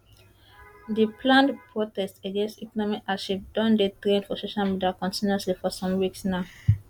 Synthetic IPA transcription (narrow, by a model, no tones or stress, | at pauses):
diplãndpʰɹotɛstəɡẽnstikɔnɔmikaʃip̚dɔ̃ndetɹẽnfɔsoʃalmidəlkɔ̃ntĩnɔslifɔsɔ̃mwiksnaʊ